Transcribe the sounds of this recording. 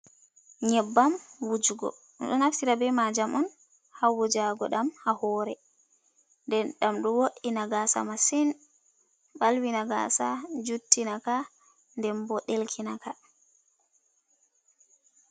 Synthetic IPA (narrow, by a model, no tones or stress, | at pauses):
ɲɛbːamwud͡ʒuɡɔ̰ | ɗɔnaftiɾabɛmad͡ʒamɔn | hawud͡ʒaɡɔɗamhahɔːɾɛ | ndɛnɗamɗɔwoɗːinaɡasa̰masin | ɓalwinaɡa̰sad͡ʒutːinaka | ndɛmbɔɗelkʰinaka